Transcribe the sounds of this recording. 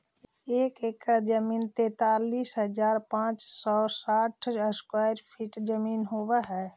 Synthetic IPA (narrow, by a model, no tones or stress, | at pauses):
eːkekəd͡ʒəmiːnt̪ẽt̪aliːsɦəd͡ʒaːɾpãt͡ʃsɔːsaʈʰəskwajɾpʰiːʈd͡ʒəminɦobɛɦɛː